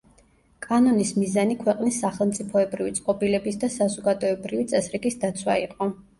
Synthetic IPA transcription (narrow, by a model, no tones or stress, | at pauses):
kʼanɔnismizanikʰwɛqʼnisːaχɛlˠmt̪sʼipʰɔɛbɾivit̪sʼqʼɔpʼilɛbisd̪asazɔɡad̪ɔɛbɾivit̪sʼɛsɾiɡisd̪at̪sʰwa̰iqʼɔ